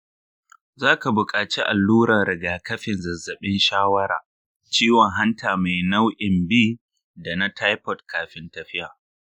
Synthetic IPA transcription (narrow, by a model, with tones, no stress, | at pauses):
zaː˦ka˨bʊ˨kʼaː˨t͡ʃi˦ʔa˨lːuː˦ɾɐ˨nɾɪ˨ɡaː˨kɐ˦ɸɪ˨nzɐ˨zːɐ˨ɓɪ˦nʃaː˦wɐ˦ɾa̰ː˨ | t͡ʃiː˦wɔ˨ŋɦa˦ntʰaː˨ma˨jna˦wʔɪ˨mbiː˦ | da˨na˦tʰa˦jpɔ˨tkʰaː˨ɸɪ˦ntɐ˨ɸɪ˦ʔaː˨